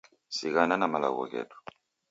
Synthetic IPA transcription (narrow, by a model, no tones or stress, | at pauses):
siɣananamala̰ɣɔ̰kɛ̰du̥